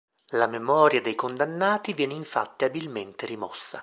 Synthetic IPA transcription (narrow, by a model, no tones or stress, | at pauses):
lamemɔːɾjad̪ejkond̪anːaːt̪ivjɛːneiɱfa̰t̪ːiabilment̪eɾimɔsːa̰